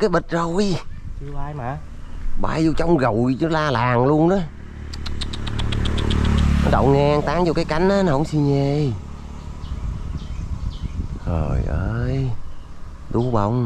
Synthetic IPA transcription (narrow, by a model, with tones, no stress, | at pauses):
kaː˨˦jɓi˨˩t̟̚zə˨˩wjt͡ɕɨ˧ʔaː˧jmaː˨ | ɓa̰ː˧˩jzi˧wt͡ɕɔ˧wŋ͡mɣə˨˩wt͡ɕɨ˨˦laː˧laː˨˩ŋlu˧ənnə˨˦ | nɔ̰˨˦ɗə̰˧˨wŋɛ˧ŋt̪aː˨˦˥ŋzo˧kaː˨˦jka˨˦jŋ̟ʔaː˨˦nɔ˨˦hə̰˧˥wŋ͡msi˧ɲe˧˩j | zo˨˩jʔəː˧j | ɗu˧˦ɓə̰˧˩wŋ͡m